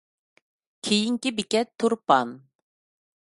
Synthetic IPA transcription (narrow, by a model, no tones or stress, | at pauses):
kʲʰejiŋkʲibɪkʲɛt̪ʰːuɾpɑn